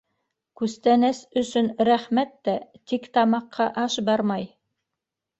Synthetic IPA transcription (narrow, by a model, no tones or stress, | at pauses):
kʉst̪ænæsɵ̆sɵnɾæχmæt̪ːæt̪ikt̪ɑmɑqʰːɑʔɑʃbɑɾmɑj